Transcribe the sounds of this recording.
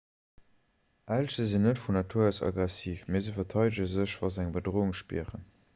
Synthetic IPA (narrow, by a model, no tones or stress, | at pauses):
ʔælʃəzinːətfunɑtʰuɐəsɑ̰ɡʁɛsiːfmeːzəfəɐtʰɑɪdəʑəzəɕvɑzæŋbədʁoːuŋʃpḭəʁən